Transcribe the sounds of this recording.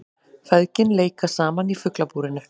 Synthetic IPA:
fɛðcɪnleːjkasaːmanifʏklapuːɾɪnʏ

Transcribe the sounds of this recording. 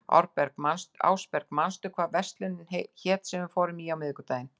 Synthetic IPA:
ɔ̰ɾpɛɾkmansa̰ːwspɛɾ̥kmanst̪ʏkʰvaːðvɛst̪lʏnːɪnçɛːt̪sɛmvɪfɔːɾɪmiːawmɪðɪkʏt̪aːjɪn

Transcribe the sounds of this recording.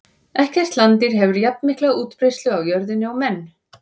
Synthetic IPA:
ɛhkθɛst̪lant̪ɪɾ̥ɦɛvʏɾjap̚nmɪhklauːt̪pɾejst̪lʏawjœɾðɪnːɪɔmɛnː

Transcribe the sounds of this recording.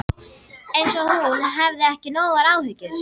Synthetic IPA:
ejnsɔhunɦɛvðɪɛhcɪnoːwɣaɾaːwhʏcʏɾ̥

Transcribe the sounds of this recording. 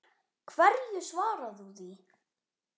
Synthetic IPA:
kʰvɛɾjʏsvaːɾaðuθi

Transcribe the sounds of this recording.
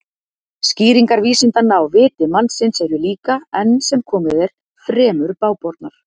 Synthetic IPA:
sciːɾiŋkaɾviːsɪnt̪anːaawvɪːt̪ɪmansɪnsɛɾʏliːkaɛnːsɛmkʰɔːmɪðɛɾ̥ | fɾɛːmʏɾpaːwpɔɾt̪naɾ̥

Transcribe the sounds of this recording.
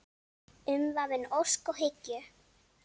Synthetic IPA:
ʏmvavɪnowskɔɣɦɪcjʏ

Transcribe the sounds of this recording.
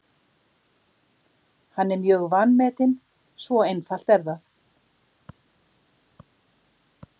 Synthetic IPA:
hanːɛɾmjœːɣvanːmɛːt̪ɪn | svɔejnfal̥t̪ɛɾðaθ

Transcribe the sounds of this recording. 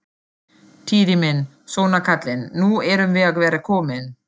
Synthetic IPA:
t̪ʰiːðimɪn | sɔːnakʰat̪lɪnːuɛɾʏmvɪðaɣvɛːɾakʰɔːmɪn

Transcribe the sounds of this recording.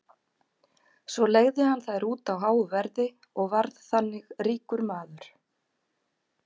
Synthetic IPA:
svɔleɣðɪhanθaðɾuːt̪awɦaːwʏvɛɾðɪ | ɔɣvaɾðθanːɪɣriːkʏɾmaːðʏɾ̥

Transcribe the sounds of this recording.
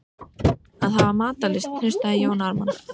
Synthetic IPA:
aðɦavamaːt̪alɪst̪n̥ʏst̪aðɪjaːwnaɾman

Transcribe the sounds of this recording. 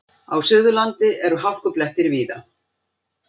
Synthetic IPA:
a̰wsʏɣðʏlant̪ɪʔɛɾʏɦawl̥kʏplɛht̪ɪɾviːða

